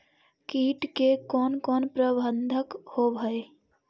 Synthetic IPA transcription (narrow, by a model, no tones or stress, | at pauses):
kiːʈkekɔːnkɔːnpɾəbə̃nd̪ʱəkhobʱəe